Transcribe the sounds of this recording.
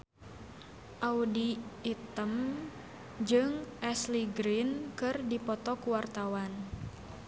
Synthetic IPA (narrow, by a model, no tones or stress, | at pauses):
ʔaudiːt̪əm | d͡ʒɨŋʔɛsliɡɾinkɨrdipɔt̪ɔkuwart̪awan